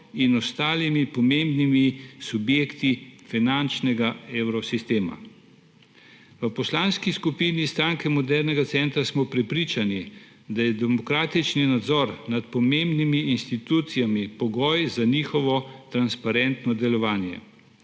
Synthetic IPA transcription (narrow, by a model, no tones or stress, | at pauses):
inɔst̪aːlimipɔmẽmbnimisubjeːkt̪ifinant͡ʃnɛɡaewɾɔsist̪eːma̰ | ʋəpɔslaːnskiskupiːnist̪ɾaːŋkɛmɔd̪ɛɾnɛɡat̪sɛnt̪ɾasmɔpɾɛpɾiːt͡ʃani | d̪ajɛd̪ɛmɔkɾaːt̪it͡ʃninad̪zɔɾnat̪pɔmembnimiːnst̪it̪uːt̪sijamipɔɡɔjzaniːxɔʋɔt̪ɾanspaɾɛnt̪nɔd̪ɛlɔʋaːnjɛ̰